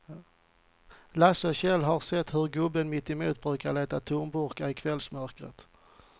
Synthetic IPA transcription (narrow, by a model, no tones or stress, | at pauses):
lasɔɕɛlːɦaɾsɛt̪ːhɵɾɡɵbənmɪt̪ːɪmuːt̪̚bɾʉ̟ːkaɾɭeːt̪at̪ʰʊmbʊɾkaɪkʰvɛlsmœɾkɾə̰t̪